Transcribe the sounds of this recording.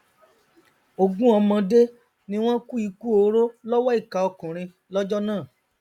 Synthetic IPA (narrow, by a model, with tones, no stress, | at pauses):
o˧ɡũ˦ɔ˧mɔ̃˧de˦ | nĩ˦w̃ɔ̃˦ku˦i˧ku˦o˧ɾo˦lɔ˦wɔ˦i˦˨ka˨ɔ˧kũ˨ɾ̃ĩ˧ | lɔ˦d͡ʒɔ˦nãː˦˨